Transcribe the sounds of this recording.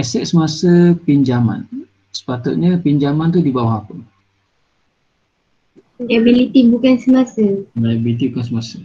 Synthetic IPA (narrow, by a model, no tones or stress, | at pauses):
ɛsɛʔ̪̚səmasəpiɲd͡ʒama̰n | sə̥pat̪ʊt̪̚ɲəpiɲd͡ʒamant̪udibawaɦapə | liabilit̪ibukansəmasəiabilit̪ibukans̬əmasə